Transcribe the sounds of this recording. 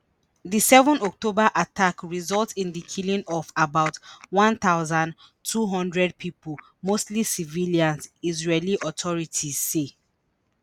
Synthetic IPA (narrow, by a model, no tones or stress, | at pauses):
ðisɛvɔ̃nɔk̚tobaʔatʰakɹizɔltsĩndikʰilĩnɔfabaʊtwɔ̃nt̪aʊzãn | tʰuɦɔ̃ndɹɛd̚pʰipul | mostlisiviliãnzizɹeliʔɔtʰɔɹitʰiz̥ːe